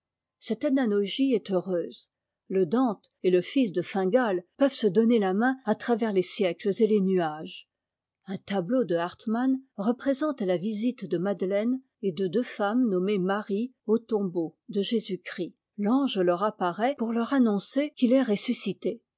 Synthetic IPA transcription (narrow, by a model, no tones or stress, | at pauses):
sɛt̪ananɔʒiɛt̪øʁøːz | ləd̪ɑ̃t̪eləfis̬d̪əfɛ̃ɡalpœvsəd̪ɔnelamɛ̃at̪χavɛʁlesjɛkləzelenyaʒ | ɛ̃t̪ablod̪əaʁt̪manʁəpχezɑ̃t̪lavizit̪d̪əmad̪lɛn | ed̪əd̪øfamnɔmemaʁiot̪ɔ̃bod̪əʒezykχi | lɑ̃ʒəlœʁapaʁɛpuʁlœʁanɔ̃sekʲilɛʁesysit̪e